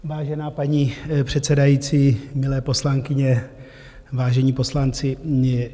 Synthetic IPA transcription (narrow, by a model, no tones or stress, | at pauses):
vaːʒɛnaːpaɲipr̝̥ɛt̪sɛdajiːt͡siːmɪlɛːpo̞slaŋkɪɲɛ | vaːʒɛɲiːpo̞slant͡sɪ